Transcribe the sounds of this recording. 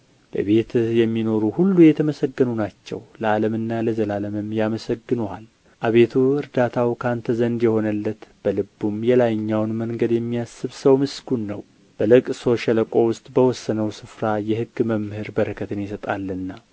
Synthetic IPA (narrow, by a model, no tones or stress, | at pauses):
bə̰βe̞t̪ʰjɛmːino̞ɾuhulːujɛt̪ʰəməsəɡːənunat͡ʃːɛ̰wləaləmɨnːaləzəlaləmɨmjaməsəɡːɨnual | ʔaβe̞t̪ʰuɨɾd̪at̪ʰawkʰant̪ʰəzənd̪jɛho̞nəlːət̪b̥əlɨbːumjɛlajɲːawnməŋɡəd̪jɛmːijasːɨβsəwmɨsɡunːəw | b̥əlɨkʼso̞ʃɛləkʼo̞wʊst̪ʼbəwɔsːənəwsɨfɾajɛhɨɡːməmhɨɾbəɾəkʰət̪ʰɨnjɪsət̪ʼalːɨnːa